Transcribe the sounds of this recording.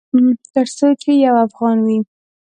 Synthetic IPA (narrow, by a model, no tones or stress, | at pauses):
t̪əɾsot͡ʃejawafɣɑnwi